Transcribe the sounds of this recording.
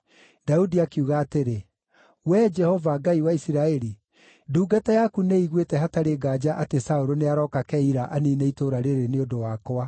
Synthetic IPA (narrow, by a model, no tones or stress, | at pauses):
daudiakuɣaːteɾe | wɛd͡ʒɛhɔvaɡaiwaisiɾaɛɾi | duːɡatajakuneiɣwetɛhataɾeɡaːd͡ʒaʔatesaoɾoneaɾɔːkakɛiɾaʔanineitoɾaɾeɾeneodowaːkoa